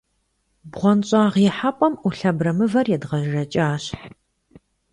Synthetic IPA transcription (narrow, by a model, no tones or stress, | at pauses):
bʁʷɔnɕʼaːʁjɪħapʼɔmuɬɐbrɐmɨvɐrjɛdʁɐʒrɐt͡ʃʼaːɕħ